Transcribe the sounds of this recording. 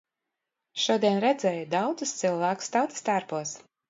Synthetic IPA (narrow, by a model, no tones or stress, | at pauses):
ʃuɔd̪iɛnɾɛd̪zʲɛːjud̪awd̪zust̪sɨlˠvæːku̥st̪awt̪ɨ̥st̪aɾpuɔs